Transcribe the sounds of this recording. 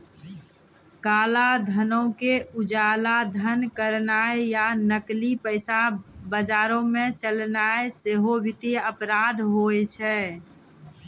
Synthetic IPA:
kalad̪ʱənəkeud͡ʒalad̪ʱənkəɾnaejanəklipəɪsabəd͡ʒaɾõmet͡ʃəlnaeseɦobʱit̪eəpɾad̪ʱɦojt͡ʃʰɛ

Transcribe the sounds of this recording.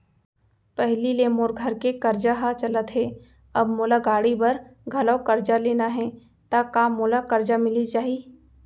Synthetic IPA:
pɛɦlileːmoːɾɡʱɐɾkekɐɾd͡ʒaɦat͡ʃɐlət̪ɦɛː | ɐbmoːlaɡaːɽibɐɾɡʱɐlaːkɐɾd͡ʒaleːnaɦɛ | t̪akaːmːoːlakɐɾd͡ʒamɪlit͡ʃaːɦi

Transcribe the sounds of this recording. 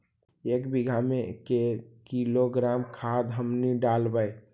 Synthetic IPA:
ekbiɡʱamekekiloɡɾamkʰad̪ɦəmniɖalbəj

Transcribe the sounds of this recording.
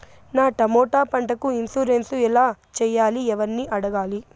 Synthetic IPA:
naːʈɐmɔːʈaːpɐɳʈɐkuinsuːɾensuɛlaːt͡ʃɛːjːaːliɛʋɐɾnːiːʔɐɽɐɡaːli

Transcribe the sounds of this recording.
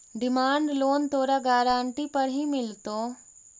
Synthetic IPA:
ɖɪmaːɳɖloːnt̪oːɾaːɡaːɾaːɳʈipəɾɦimɪlt̪oː

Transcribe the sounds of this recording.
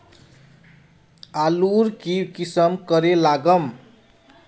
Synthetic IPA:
aluɾkibkisʌmkʌɾelaɡʌm

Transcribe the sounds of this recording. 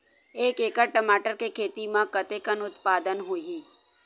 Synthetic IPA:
eːkeːkəʈəmaːʈəɾkekʰeːt̪imãkət̪ekənʊt̪paːd̪ənɦuɦi

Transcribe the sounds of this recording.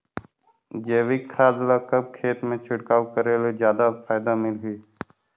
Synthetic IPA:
d͡ʒeːʋɪkʰːaːd̪lakəb̚kʰeːt̪mẽt͡ʃʰʊʈkaːwkəɾelod͡ʒjaːd̪afaːjd̪amɪlɦiː

